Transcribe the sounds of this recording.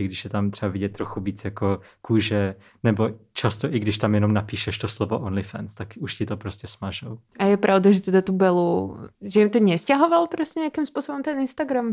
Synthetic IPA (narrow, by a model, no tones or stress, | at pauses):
ɪɡdɪʃjɛt̪amt̪r̝̥ɛbavɪɟɛt̪t̪ːɾoxuviːt͡sjakokuːʒɛ | nɛbot͡ʃast̪oʔɪɡdɪʃt̪amjɛnomnapiːʃɛʃt̪oslovoʔonlɪfɛ̰nst̪akuʃcɪt̪opɾoscɛsmaʒowʔajɛpɾʔaʊd̪aʒɛt̪ɛd̪at̪ubɛluʒɛimt̪ɔɲɛscaɦɔʋalpɾɛscʲɛɲɛakimspʊɔsɔbɔmt̪ɛninst̪aɡɾam